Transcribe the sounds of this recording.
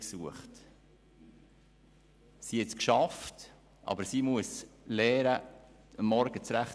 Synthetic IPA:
ksuəχt | sihɛtskʃɑft | ʔɑ̰bəɾsimuəslɛːɾə | əmːɔɾɡ̥ət͡sɾæχ

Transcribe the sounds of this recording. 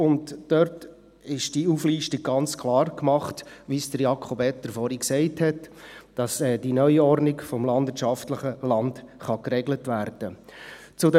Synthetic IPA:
ʊntːœɾt | ɪʃd̥iufliːʃtiɡ̥̚ɡ̥ɑnt͡skʰχlɑːrkmɑχtʋisd̥əɾjɑkʰχɔbɛtdəɾfɔɾiksɛɪthɛtd̥ɑsɛd̥inœʏɔɾnɪɡfɔmlɑnd̪ʋɪət͡ʃʃɑftləχəlɑndχɑkrɛɡlətʋæɾd̥ə | t͡sʊdɛ

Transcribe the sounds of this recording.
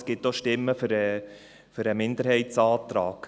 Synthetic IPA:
sɡ̥ɪtːoʃtɪmːəføɾɛ | fʏɾəmɪnd̪əɾɦhɛɪtt͡sɑːt̪ɾɑːk

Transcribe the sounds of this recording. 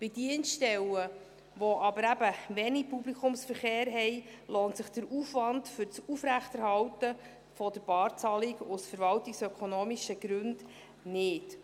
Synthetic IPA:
b̥ɪdiənstɛwə | ʋoʔɑbəɾæbəʋɛnipublikʰʊmsfəɾχeːɾɦɛj | loːntsɪχd̥əɾufʋɑndfʏɾt͡sufɾæχtɛɾhɑwtə | fɔdəɾb̥ɑːɾt͡sɑliɡʊsfəɾvɑltiksœkʰonoːmiʃəɡ̥ɾɵnd̥ | nɪt

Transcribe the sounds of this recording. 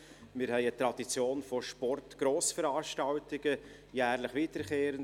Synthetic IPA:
mɪːɾhɛɪət̪ɾɑd̥it͡sjoːnfɔʃpɔrtɡ̥ɾoːsfəɾɑːʃtɑwtɪɡ̥ə | jæːɾləχʋiːtəɾkeːɾən

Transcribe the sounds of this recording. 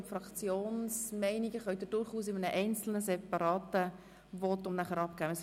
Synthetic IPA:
frɑkt͡sjoːnsmɛɪniɡəχœʏdɪɾd̥ʊɾχuːsɪmənəʔɛɪnt͡sl̩nəsɛpɑɾɑːt̪ə | vɔt̪ʊmnæχəɾɑp̚kæːəs

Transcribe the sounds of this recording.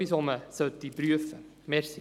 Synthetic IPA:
isɑːməsəwt̪̚dibryəf | mɛrsi

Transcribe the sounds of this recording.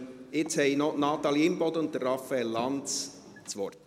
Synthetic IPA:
ɪt͡shɛjnɔnɑːt̪ɑliɪmbɔd̪ʊnt̚ːərːɑfɛlɑns | t͡sʋɔrt

